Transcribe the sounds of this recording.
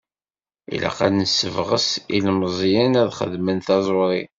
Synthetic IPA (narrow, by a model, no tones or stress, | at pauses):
ḭla̰qanəsːəvʁəsilmzˤjənæðχə̰ðmənt̪ɑzˤoɾˤi